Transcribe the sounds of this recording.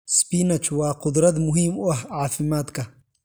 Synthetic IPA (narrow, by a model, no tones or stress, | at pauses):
spinɐt͡ʃwɑːqʊd̪ɾɐd̪mʊɦiːmʊɐhʕaːfɪmaːd̪kʰɐ